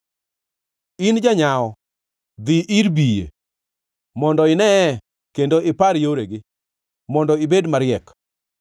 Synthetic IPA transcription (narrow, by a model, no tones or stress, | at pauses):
ind͡ʒaɲaɔ | d̪iʔɪɾbijḛ | mɔndɔɪnɛ | kendoʔɪpaɾjoɾeɡɪ | mɔndɔɪbedmaɾɪɛk